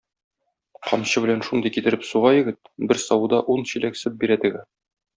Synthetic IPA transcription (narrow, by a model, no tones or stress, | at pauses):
qɒmɕɤbɘ̆lænʃund̪ɤjkit̪ɘ̆ɾɘpsuʁɑjɘ̆ɡɘt̪̚bɘɾsɒwud̪ɑʔunɕilæksɘp̚biɾæt̪ɘ̆ɡɘ